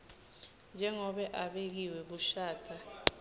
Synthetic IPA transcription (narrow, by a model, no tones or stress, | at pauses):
nd͡ʒʱɛŋɔɓɛʔaɓek̬iwɛɓuʃaːtʰa